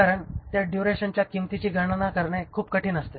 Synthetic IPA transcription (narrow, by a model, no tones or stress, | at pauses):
aɾəɳt̪jaɖjuɾeɕənt͡ɕjakimt̪it͡ɕiːɡʱəɽ̃anakəɾɳjakʰuːp̚kəʈiːnəst̪e